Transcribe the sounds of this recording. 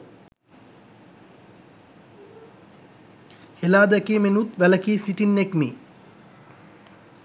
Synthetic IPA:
helaːd̪ækeːmenut̪ʋæləkiːsiʈinːekmi

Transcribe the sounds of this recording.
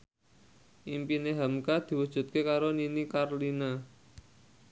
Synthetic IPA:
ʔimpineɦamkad̪̥i̤wud̥ʒ̥ṳt̪̚kekaɾoninikarlina

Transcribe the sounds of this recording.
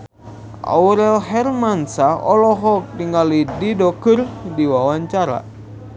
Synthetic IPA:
ʔa̰uɾɛlɦɛrmansaɔ̰lɔɦɔk̚diŋalididɔkɨrdiwawaɲt͡ʃaɾa̰

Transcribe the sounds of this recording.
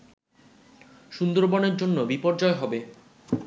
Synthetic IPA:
ʃund̪oɾbɔneɾd͡ʑonːobipɔɾd͡ʑɔeɦɔbe

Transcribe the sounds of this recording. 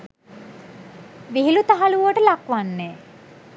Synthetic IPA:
ʋiɦilut̪aɦaluʋəʈəlakʋanːe

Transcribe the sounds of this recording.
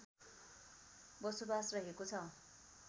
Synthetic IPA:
bʌsobasrʌɦekot͡sʰʌ

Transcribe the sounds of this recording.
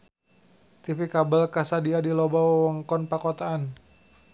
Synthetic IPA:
t̪ifikabəlkasadiadilɔbawɔwɔŋkɔnpakɔt̪aan

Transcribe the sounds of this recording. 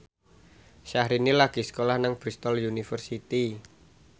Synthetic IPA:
ʃahɾinilaɡ̥isə̥kolahnaŋb̥ɾist̪ɔljunifərsit̪i

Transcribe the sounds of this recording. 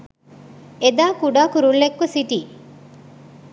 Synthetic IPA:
ed̪aːkuɖaːkuɾulːekːusiʈiː

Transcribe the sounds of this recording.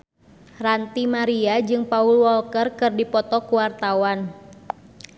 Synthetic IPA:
rant̪imaɾiad͡ʒɨŋpaulwɔlkərkɨrdipɔt̪ɔkuwart̪awan

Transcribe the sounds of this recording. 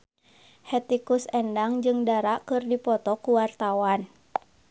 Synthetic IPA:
hɛt̪ikusɛndaŋd͡ʒɨŋdaɾaʔkɨrdipɔt̪ɔkuwart̪awan

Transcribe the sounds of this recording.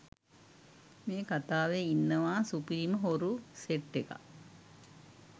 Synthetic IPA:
meːkat̪aːʋeinːəʋaːsupiɾiməɦoɾuseʈːeka̰

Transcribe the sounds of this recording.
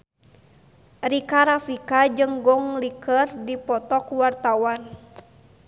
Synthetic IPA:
rikaɾafikad͡ʒəŋɡɔŋlikərdipɔt̪ɔkuwart̪awan

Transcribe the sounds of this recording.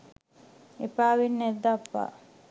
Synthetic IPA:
epaːʋinːed̪ːapːa̰ː

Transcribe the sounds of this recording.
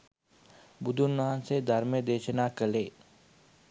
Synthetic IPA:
bʊd̪ʱʊnmaːnsed̪ʱəɾmẽd̪eːt͡ʃənakəleː

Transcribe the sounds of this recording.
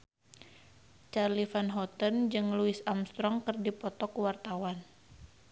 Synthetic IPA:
t͡ʃarlifanɦɔt̪ənd͡ʒɨŋluisamst̪ɾɔŋkɨrdipɔt̪ɔkuwart̪awan

